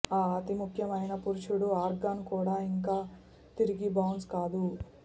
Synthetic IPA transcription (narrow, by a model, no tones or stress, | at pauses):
aːɐt̪imukʰjɐmɐjnɐpuɾuʂuɽuaːɾɡaːnkuːɽaːiŋkaː | t̪iɾiɡibɐwnskaːd̪u